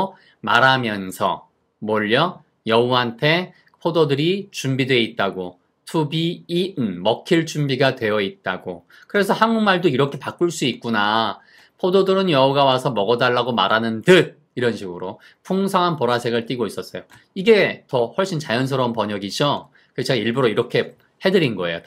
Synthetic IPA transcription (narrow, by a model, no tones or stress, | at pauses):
ma̰ɾɦamjʌnsʰʌ̰ | moʎːʌ | jʌuɦantʰe̞ | pʰododɯɾit͡ɕumbidwe̞it̚t͈aɡo | tʰubiːnmʌkʰiɭt͡ɕumbiɡadwe̞jʌit̚t͈aɡo | kɯɾe̞sʰʌhanumaɭdoiɾʌkʰe̞pak͈uɭs͈uit̚k͈una | pʰododɯɾɯnjʌʌɡawasʰʌmʌɡʌdaɭːaɡoma̰ɾanɯntɯd̚ | iɾʌnɕʰiɡɯɾo | pʰoŋsʰaŋɦanpʌɾasʰeɡɯɭt͈iɡois͈ʌs͈ʌjo | iɡe̞tʌhwʌɭɕ͈int͡ɕajʌnsʰʌɾʌnpʌɲʌɡid͡ʑo | kɯet͡ɕeɡaiɭbuɾoiɾʌkʰe̞ | he̞dɯɾinɡʌḛjo̰